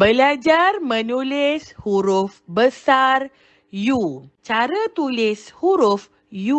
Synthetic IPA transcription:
bəlad͡ʒarmənulishuɾufbəsar | jut͡ʃaɾət̪ulishuɾuf | ju

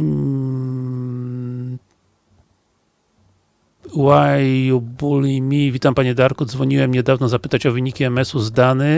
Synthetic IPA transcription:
wajubulimʲivʲit̪ampaɲɛd̪aɾkud̪zvɔɲiwɛmɲɛd̪avnɔzapɘt̪at͡ɕɔvɘɲikʲiɛmɛsuzd̪anɛ

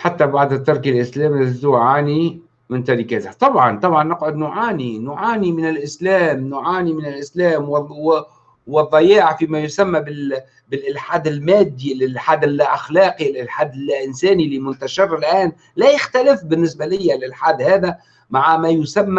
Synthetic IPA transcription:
ħat̪ːabaʕd̪ɪt̪ːɑɾˤkilʔɪslæːmɪzuːʕaːni | mɪnt̪aɾɪkat̪ɪt̪ˤɑbʕɑnt̪ˤɑbʕɑnːɑqʕʊd̪nʊʕaːninʊʕaːnimɪnɪlʔɪslæːmnʊʕaːnimɪnɪlʔɪslæːmw | wɨðˤːɑjaːʕfimajʊsamːabɪ | bɪlʔɪlħaːd̪ɪlmæːd̪ːilɪħaːd̪ɪlːaʔaxlɑːqilʔɪlħaːd̪ɪlʔɪnsæːnilːimʊnt̪aʃɪɾɪlʔæːn | læjɪxt̪alɪfbɪnːɪsbalɪjːalʔɪlħaːd̪hæːða | maʕamajʊsamːa

